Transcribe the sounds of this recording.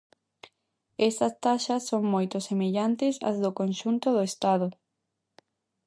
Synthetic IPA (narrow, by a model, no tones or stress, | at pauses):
ɛst̪ɐst̪aʃɐsːoŋmojt̪ʊsemeʎant̪ɪsɐ̰zðʊkõnʃunt̪ʊðʊest̪aðʊ